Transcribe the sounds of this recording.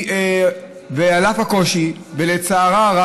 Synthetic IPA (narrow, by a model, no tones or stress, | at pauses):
vealafhako̞ʃi | velet͡saːʁaʁa